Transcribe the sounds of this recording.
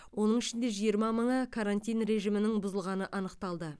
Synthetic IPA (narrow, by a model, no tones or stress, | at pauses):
wo̞nəɴɪʃɪnd̪e̞ʒijəɾmɑməɴəkʰaɾant̪ʲijnre̞ʒijmɪnɪŋbʊzəlˠʁɑnəʔɑnəqt̪ɑlˠd̪ə